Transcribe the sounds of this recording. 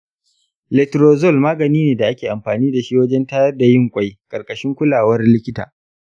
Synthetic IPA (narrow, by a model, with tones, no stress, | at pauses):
lɛ˨tɾoː˨zɔ˦˨lmaː˦ɡɐ˨niː˦neː˨da˨ʔa˦kʲeː˨ʔa˨mɸaː˨niː˦da˨ʃi˦wɐ˦d͡ʒɛ˦ntaː˦jɐ˦rda˨jɪ˦ŋkʷʼa˦jkʼɐ˨rkʼɐ˨ʃɪ˦ŋkʷʊ˦laː˨wɐ˦rlɪ˦kʲɪ˦ta̰ː˨